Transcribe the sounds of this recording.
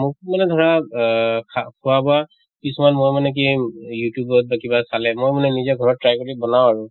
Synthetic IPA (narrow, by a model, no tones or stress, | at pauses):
mʊkimanɛdʱɔɹa | kʰakʰʊwabɔa | kisɔmanmojmanɛk̬ijutjubɔt̚bakibasalɛmojmanɛnizaɡʱɔɹɔtɹajkɔɹibɔnawaɹʊ